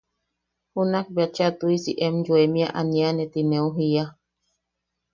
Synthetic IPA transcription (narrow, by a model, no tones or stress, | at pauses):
hunak̚bjat͡ʃat̪uisḭʔɛmd͡ʒuemĩa̰ʔanianɛt̪ineuɦija